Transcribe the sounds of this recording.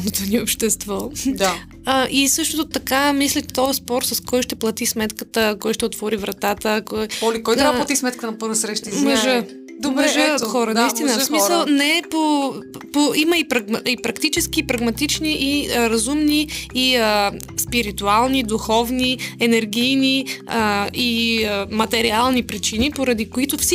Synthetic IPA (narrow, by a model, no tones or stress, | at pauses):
not̪oniopʃt̪ɛst̪vɔd̪a | əʔisɤʃt̪ot̪ot̪ɐkamislʲɛt̪ɔəspɔɾsɐskɔjʃt̪ɛplˠɐt̪ismɛt̪kət̪əkɔjʃt̪ɛot̪vɔɾivɾɐt̪at̪əkɔjɔlikɔjt̪ɾaplˠɐt̪ismɛt̪̚kt̪ənɐpɤɾvəsɾɛʃt̪imɐʒə | d̪omɛʒəxɔɾənɐist̪inəsmiəlˠnɛpopoiməipɾɐɡmipɾɐkt̪it͡ʃɛsk̟iːpɾɐɡmɐt̪it͡ʃniʔiɾɐzumniːə | spiɾit̪ualˠnid̪uxɔvniɛnɛɾɡijniəiəmɐt̪ɛɾialˠnipɾit͡ʃinipoɾɐd̪ikoit̪ʊfs